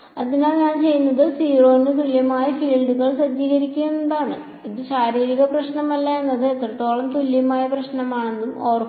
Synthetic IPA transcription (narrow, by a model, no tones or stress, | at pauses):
ɐd̪inaːnɲaːnt͡ɕe̞jːunːɐðɨsiːro̞ːndɨkriljɐmaːjɐfiːlɖuɣɐɭsɐd͡ʑiːɣɐɾikʲːuennd̪aːɳɨ | iðɨɕaːɾiːɾiɣɐprɐɕɳɐmɐlːɐenːɐðɨet̪ːrɐt̪ːo̞ːɭɐmt̪uljɐmaːjɐprɐɕɳɐmaːɳe̞nːumoːr